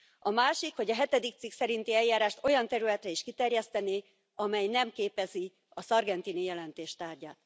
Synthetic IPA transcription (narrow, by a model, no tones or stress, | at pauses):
ɒmaːʃikho̞ɟɒɦɛt̪ɛd̪ik̚t̪siksɛɾint̪iɛljaːɾaːʃt̪o̞jɒnt̪ɛɾylɛt̪rɛiʃkit̪ɛrjɛst̪ɛneː | ɒmɛjnɛmkeːpɛzi | ɒsɒrɡɛnt̪inijɛlɛnt̪eːʃt̪aːrɟaːt̪